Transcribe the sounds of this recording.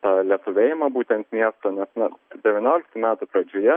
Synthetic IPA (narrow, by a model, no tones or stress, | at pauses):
t̪ɑːlʲiɛt̪ʊʋʲeːjɪmɐbuːt̪ʲɛnt̪mʲiɛst̪oːnʲɛsnʲɛd̪ʲɛʋʲɪnʲoːlʲɪk̚t̪ʊmʲæːt̪ʊpɾɐd͡ʒʲoːjɛ